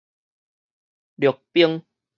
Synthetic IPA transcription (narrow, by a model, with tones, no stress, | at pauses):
lo˨˩k̚pi˦əŋ